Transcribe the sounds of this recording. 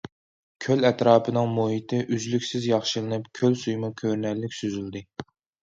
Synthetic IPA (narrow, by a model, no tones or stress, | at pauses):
kʲʰølɛt̪ɾɑːpʰɨnɨŋmoɦit̪ʰɪʔyzlykʲsɪzjɑχʃɨlˠɨnɨpkʲʰølsujmɨkʲʰøɾnɛɾlːɪkʲsyzyld̪ɨ